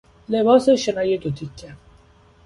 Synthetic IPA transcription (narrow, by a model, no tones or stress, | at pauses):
lebɒːseʃenɒːjed̪ot̪ʰicʰːe